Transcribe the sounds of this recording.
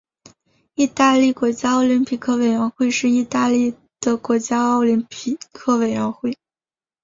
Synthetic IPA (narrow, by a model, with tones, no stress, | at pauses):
i˥˧t̪a˥˧li˥˩kwɔ˧˥t͡ɕja˥ɑ˥˧ʊli˧˥npʰi˨˩kʰɤ˥˩we˨˩ɪɥə˧˥nxwe˥˧ɪʂɻ̩˥˧i˥˧t̪a˥˧li˥˩ | d̪̥ə˩kwɔ˧˥t͡ɕja˥ɑ˥˧ʊli˧˥npʰi˨˩kʰɤ˥˩we˨˩ɪɻɥə˧˥nxwe˥˩ɪ